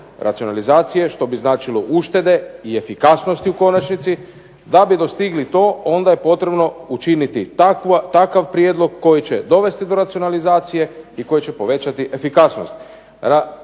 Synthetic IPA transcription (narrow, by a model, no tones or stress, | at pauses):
ɾʔa̰t̪sio̞nalizaːt̪sije̞ʃt̪o̞biznaːt͡ʃiloʔuʃt̪e̞d̪e̞ie̞fikasno̞st̪iuko̞nat͡ʃnit̪si | d̪abid̪ost̪iɡlit̪o̞ːo̞nd̪aje̞po̞t̪ɾe̞bno̞ut͡ʃinit̪ikat̪akaʋpɾjed̪lˠo̞ɡkːo̞jit͡ɕe̞d̪o̞ʋe̞st̪id̪o̞ɾat̪sionalizaːt̪sije̞iko̞jet͡ɕe̞po̞ʋe̞t͡ɕat̪iʔe̞fikasno̞̰st̪ | ɾa